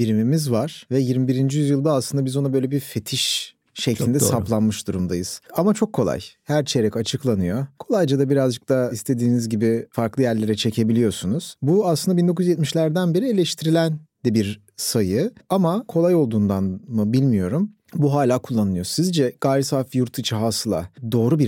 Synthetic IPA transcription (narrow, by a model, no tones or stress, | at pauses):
biɾimimizvaɾ̥vɛjiɾmibiɾind͡ʒijyzjɯlˠd̪aːslˠɯnd̪abizo̞nabøjlʲebife̞t̪ʰiʃ | ʃe̞clʲind̪ɛɛsaplˠanmɯʃd̪uɾumd̪ajɯz̥amat͡ʃʰo̞kʰːo̞lˠa̰jhæɾt͡ʃʰeɾɛcat͡ʃʰɯklˠanɯjo̞kʰo̞lˠajd͡ʒad̪abiɾazd͡ʒɯk̚t̪ʰaist̪ʰe̞d̪iːnizɟibifaɾklˠɯjæɾlʲe̞ɾɛt͡ʃʰe̞cʰe̞bilʲijo̞sunuz̥buaslˠɯnd̪abind̪o̞kujzjɛt̪̚miʃlʲæɾd̪ænbeɾielʲɛʃt̪ʰiɾilʲænd̪ɛbiɾ | sajɯamakʰo̞lˠajo̞lˠd̪uːnd̪anmɯbilʲmijo̞ɾum | buɦaːlʲaːkʰulˠːanɯɯjo̞sizd͡ʒɛɡ̥aːɾisafjuɾt̪ʰɯt͡ʃʰaɦasɯlˠa̰d̪o̞ːɾubiɾ